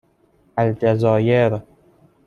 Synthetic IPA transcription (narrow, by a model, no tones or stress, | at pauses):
ʔald͡ʒazɒːjeɾ